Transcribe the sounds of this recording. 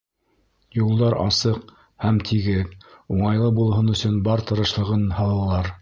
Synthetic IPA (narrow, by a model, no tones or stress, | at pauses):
julˠd̪ɑɾɑ̰sɤq | hæmt̪ʰiɡɘðuɴɑjlˠɤbulˠɦɤnɵ̆sɵnbɑɾt̪ɤ̆ɾɤ̆ʃlˠɤ̆ʁɤnhɑlˠɑlˠɑɾ